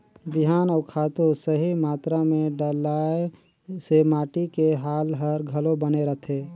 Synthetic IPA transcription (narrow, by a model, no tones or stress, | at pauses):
biɦaːnaʊkʰaːt̪osəɦimaːt̪ɾamẽɖəlae | semaːʈikeɦaːlɦəɾɡʱəlobəneɾət̪ʰe